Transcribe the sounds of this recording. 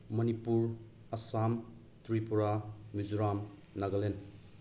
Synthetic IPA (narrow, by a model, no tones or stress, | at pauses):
mɐnipuɾ | ɐsam | tɾipuɾamid͡ʒuɾam | naɡɐlen